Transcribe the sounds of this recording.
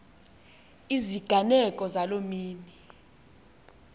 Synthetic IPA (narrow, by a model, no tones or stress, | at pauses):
iziɡ̥ʱanɛkʼɔzalomiːni